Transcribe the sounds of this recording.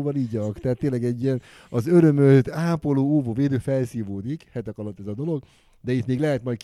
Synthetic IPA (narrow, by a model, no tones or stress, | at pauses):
vɒliːɟɒkt̪ɛɦat̪ːeːnlɛɡɛɟːijɛn | ɒzøɾø̞møt̪aːpo̞loːoːvoːveːd̪øːfɛlsiːvoːd̪ikhɛt̪ɛkɒlot̪ːɛzɒd̪o̞lo̞ɡ | d̪ɛit̪meːɡlɛɦɛt̪mɒjt̪̚k